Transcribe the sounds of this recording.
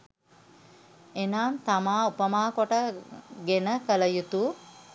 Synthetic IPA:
enaːnt̪amaːupəmaːkoʈəɡenəkələjut̪u

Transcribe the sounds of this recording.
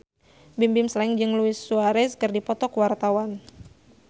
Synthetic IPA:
bimbɪmslaiŋd͡ʒɨŋluɪsːuaɾɛskɨrdipɔt̪ɔkwart̪awan

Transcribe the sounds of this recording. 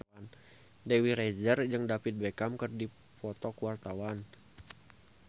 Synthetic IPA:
n | dewiɾezərd͡ʒɨŋdapit̪̚bekamkərdi | pɔt̪ɔkwart̪awan

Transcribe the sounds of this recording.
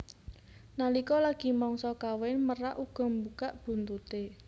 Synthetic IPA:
nalikɔlaɡ̥i̤mɔŋsɔkawɛnməraʔuɡ̥ɔ̤mbukaʔb̥ṳnt̪ut̪e

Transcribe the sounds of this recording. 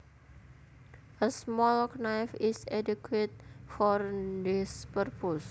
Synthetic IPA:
əsmɔlknajfisɛdukwet̪̚fɔrdispərpus

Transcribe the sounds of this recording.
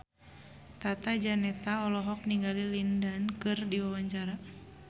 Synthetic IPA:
t̪at̪ad͡ʒanɛt̪aɔlɔɦɔk̚niɡalilindankɨrdiwawaɲt͡ʃaɾa

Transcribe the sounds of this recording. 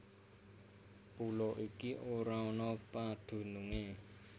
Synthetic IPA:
pulɔʔikiʔoɾaɔnɔpad̪̥ṳnuŋe

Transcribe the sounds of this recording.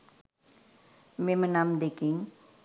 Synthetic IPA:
memənamd̪ekiŋ

